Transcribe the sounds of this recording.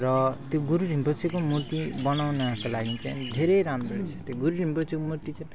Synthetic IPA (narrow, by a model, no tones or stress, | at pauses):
rʌt̪joɡuɾuɾʱimbʌt͡sikomuɾt̪ibʌnawnaakolaɡit͡sajnd̪ʱeɾejɾamɾoet͡sʰʌ̥t̪joɡuɾuɾʱĩmbʌt͡sʰikomuɾt̪it͡sã